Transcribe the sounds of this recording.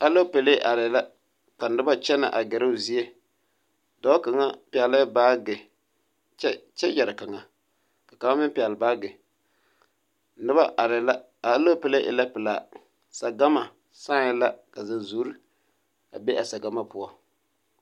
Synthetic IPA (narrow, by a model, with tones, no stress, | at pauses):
a˦lo˦pe˨le˦ʔa˨ɾɪ˨la˦ | ka˨nɨ˦ba˦t͡ʃɛ˦na̰˨ʔa˨ɡɛ˨ɾɨ˦˨zi˦e˦ | dɔ˦ka˨ŋa˦pɪ˨ɛ˨la˦ba˦ɡɪ˨˦ | t͡ʃɛ˦jɛ˨ɾɨ˨ka˨ŋa˨ | ka˨ka˨˦a˦mɪ˦pɪ˨ɛ˨lbaː˦ɡɪ˨ | nɨ˦ba˦˨ɾɪ˨la˦ | a˨˦lo˦pɛ˨le˦ʔɪ̰˨la˦pɨ˨laː˨ | sa˨ɡa˦ma˨ | saː˦ŋɪ˦la˦ka˨za˨zu˨˦ɾi˦ | a̰˨be˦ʔa˨sa˨ɡa˦ma˦pʊ˦ɔ˨